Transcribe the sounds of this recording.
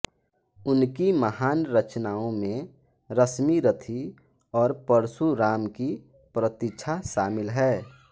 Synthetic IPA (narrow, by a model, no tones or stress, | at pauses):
ʊnkiməɦaːnɾət͡ʃnaːõmẽ | ɾəsmiɾət̪ʰi | ɔːɾpəɾsuɾaːmki | pɾət̪ɪt͡ʃʰaʃaːmɪlɦɛː